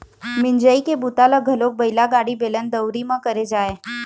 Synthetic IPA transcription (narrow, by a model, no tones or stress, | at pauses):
mɪ̃nd͡ʒəikebut̪aləɡʱəlok̚bɐɪlaɡaːɽibelənd̪əwɾimãkəɾed͡ʒaːeː